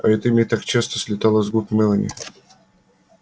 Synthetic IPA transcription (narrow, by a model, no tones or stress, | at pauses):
ɐ̰ɛt̪ɨmʲɪt̪akt͡ɕest̪ə̥sʲlʲɪt̪alˠəzɡupʲmɛlˠənʲɪ̰